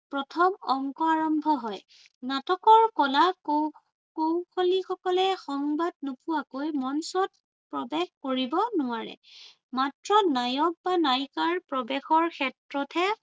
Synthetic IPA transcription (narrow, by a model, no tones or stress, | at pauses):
pɹɔtʰɔmɔŋkɔaɹɔmbʱɔɦɔj | natɔkɔɹkɔlako | kowxʰolixɔkɔlɛxɔŋbad̚nopʊwakojmɔnsɔt̚ | pɹɔbɛxkoɹibɔnʊwaɹɛ̰ | matɹɔnajɔk̚banajkaɹpɹɔbɛxɔɹkʰɛtɹɔtʰɛ